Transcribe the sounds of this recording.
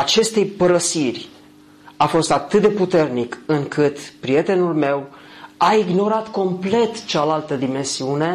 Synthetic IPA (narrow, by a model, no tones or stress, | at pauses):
at͡ʃe̞st̪e̞jpəɾəsirʲ | afo̞st̪at̪ɨt̪̚d̪e̞put̪e̞rnikɨŋkɨt̪pɾie̞t̪e̞nulme̞waiɡno̞ɾat̪ko̞mple̞t̪t͡ʃalalt̪əd̪ime̞nsiune̞